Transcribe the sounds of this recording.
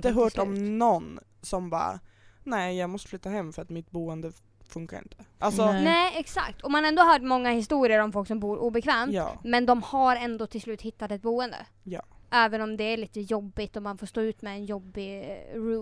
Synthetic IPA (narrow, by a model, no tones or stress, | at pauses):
t̪əɦœːʈɔmnɔn | sɔmbɑ̰ː | nɛːjɑːɡmɔst̪əflyːt̪ːaɦɛmːfœɾat̪mɪt̪buːənd̪ə | fɵŋkaɾɪ̰nt̪ʰə̥ʔalsɔnɛːɛksa̰kt̪ʰɔmanɛnd̪oːɦaɾmɔŋːahɪs̬t̪uːɾɪəɾɔmfɔlksɔmbuːɾʔuːbɛkʰvɛːmɑ̰ːmɛnd̪ɔmhaɾɛnd̪oːt̪ʰɪlslʉ̟ːt̪hɪt̪ːat̪ɛt̪̚buːənd̪ə̰ | jɑːʔɛːvənɔmd̪ɛæɭiːt̪əjɔbːɪt̪ɔmanfoːʂt̪oːʉ̟ːt̪mɛːnjɔbːɪɾuː